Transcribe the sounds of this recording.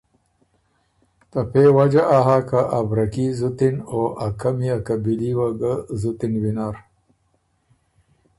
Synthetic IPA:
t̪ɐpewad͡ʒaʔaɦakaʔːbɾɐkizut̪inoʔakamiakabiliwaɡazut̪inwinaːɾ

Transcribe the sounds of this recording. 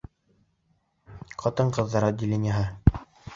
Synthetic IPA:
qɑt̪ɤɴqɤ̆ðːɑɾɑd̪ʲɪlʲenʲjaɦɤ

